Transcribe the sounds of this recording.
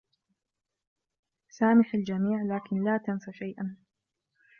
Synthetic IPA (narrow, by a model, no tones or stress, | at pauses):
saːmɪħald͡ʒamiːʕlaːkɪnlaːt̪ansˤaʃajʔan